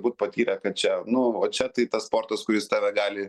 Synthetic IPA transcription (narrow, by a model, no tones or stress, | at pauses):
buːt̪pɐt̪ʲiːɾʲɛkɐt̪̚t͡ʃʲɛnʊoːt͡ʃʲɛt̪ɐɪt̪ɐsspoːrt̪ɐskʊɾʲɪst̪ɑːʋʲɛɡɑːlʲɪ